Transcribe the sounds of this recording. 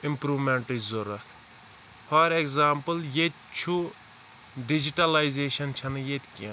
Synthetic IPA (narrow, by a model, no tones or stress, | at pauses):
ɪmpɾuːmeɳʈizuɾɐt̪ʰ | hɐɾekzaːmpəljet̪̚ʲt͡ʃʰu | ɖid͡ʒiʈɐlajzeːʃɐnt͡ʃʰɐnɐjet̪ʲkiɐ̃